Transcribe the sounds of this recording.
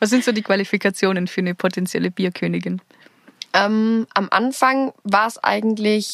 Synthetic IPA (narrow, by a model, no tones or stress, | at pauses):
vaːs̬z̥ɪntz̥oːdiːkv̥alifikʰat͡sjoːnənfyːɐnəpʰotʰɛnt͡sjɛ̰ləb̥iːɐkʰøːnɪɡɪn | ʔɛːmʔamʔa̰nfaŋvaːɐsʔa̰ɪɡŋ̩tlɪç